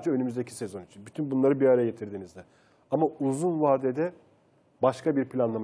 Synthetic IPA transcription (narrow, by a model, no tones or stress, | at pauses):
d͡ʒaø̞nymyzd̪ecʰi̥se̞zo̞nit͡ʃʰinbyt̪ʰynbunlˠaɾɯbiaɾɛje̞t̪ʰiɾd̪iːnizd̪ɛ | amauzunvaːd̪ed̪ɛ | baʃkʰabiɾpʰlʲanlˠam